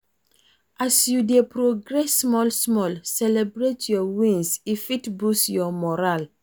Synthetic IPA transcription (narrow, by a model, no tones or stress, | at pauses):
ʔasjudepɾoɡɹɛsːmɔlsmɔlsɛlɛbɹetʰjɔwĩnsifitbusjɔmɔɾal